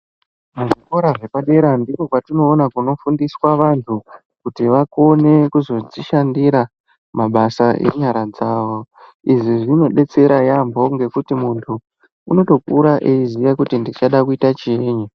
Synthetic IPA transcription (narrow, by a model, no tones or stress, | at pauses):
muʐiko̞ɾaʐe̞paɗe̞ɾandiko̞kwatino̞ːnakuno̞fundiswaʋantʰu | kutiʋako̞ne̞kuzo̞d͡ziʃandiɾa | maɓasaʔḛɲaɾad͡zaːʋo | iʐiʐino̞ɗe̞t͡se̞ɾajambo̞ŋɡe̞kutimuntʰuː | no̞to̞kuɾaʔeizijakutindit͡ʃaɗakuitat͡ʃeːɲa